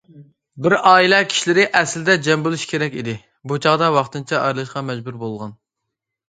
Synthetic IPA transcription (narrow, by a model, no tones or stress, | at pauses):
bɪɾɑːilɛkʲʰi̥ʃilɪɾɪʔɛslɪd̪ɛd͡ʒɛmbulˠuʃkʲʰeɾɛkʲid̪ɪ | but͡ʃʰɑʁd̪ɑwɑχt̪ɨnt͡ʃʰɛʔɑɾlˠɨʃqɑmɛd͡ʒbuɾbolˠʁɑn